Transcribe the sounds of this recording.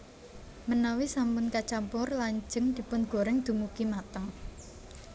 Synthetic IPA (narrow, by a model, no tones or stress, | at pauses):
mənawisampʊnkat͡ʃampʊrlaɲd͡ʒə̤ŋd̪̥i̤pʊnɡ̥o̤ɾɪŋd̪̥ṳmukimat̪əŋ